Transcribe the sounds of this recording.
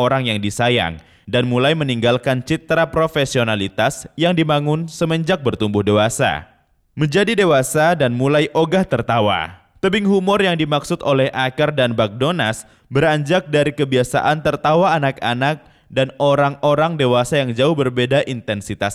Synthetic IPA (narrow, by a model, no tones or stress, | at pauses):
oɾaŋjaŋdisaja̰ŋ | danmulajməniŋɡalkant͡ʃit̪ɾapɾofesionalit̪asjaŋdimaŋʊnsəməɲd͡ʒak̚bərt̪umbʊhdewasa̰ | məɲd͡ʒadidewasadanmulajʔoɡaht̪ərt̪awa̰ | t̪əbɪŋɦumʊrjaŋdimaksʊt̪olɛhʔakardanbak̚dona̰s | bəɾaɲd͡ʒak̚daɾikəbiasa̰ʔant̪ərt̪awaːnakanak̚ | danoɾaŋoɾaŋdewasajaŋd͡ʒaʊhbərbedaʔint̪ɛnsit̪a̰s